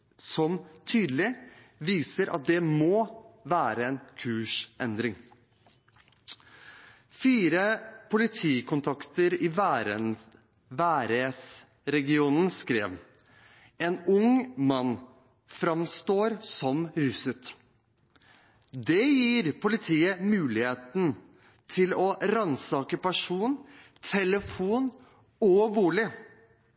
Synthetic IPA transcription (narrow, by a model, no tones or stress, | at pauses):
sɔmt̪ʰyːd̪əlɪ | ʋiːsəɾʔɑ̰t̪̚d̪ɛmoːʋæːɾəɛnkʰʉːʂʔɛnd̪ɾɪŋ | fiːɾəpʰʊlɪt̪ʰiːkʊnt̪ʰɑkt̪əɾɪɾ | ʋæːɾes | ɾɛɡɪuːnənskɾeːʋ | ɛnʊŋmɑn | fɾɑmst̪oːɾsɔmɾʉsʉt̪ | d̪ɛjiːɾpʊlɪt̪ʰiːəmʉːlɪheːt̪n̩ | t̪ʰɪlɔɾɑnsɑːkəpɑʂuːn | t̪ʰɛləfuːn | ɔʋuːlɪ